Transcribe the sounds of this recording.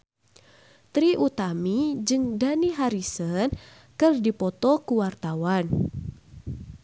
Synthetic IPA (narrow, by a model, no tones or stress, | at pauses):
t̪ɾiʔut̪amid͡ʒɨŋdaniɦaɾisən | kərdipɔt̪ɔkuwart̪awan